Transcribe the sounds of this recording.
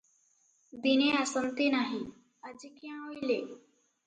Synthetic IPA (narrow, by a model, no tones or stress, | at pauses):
d̪ineasənt̪enaɦi | əd͡ʑikjãɦoile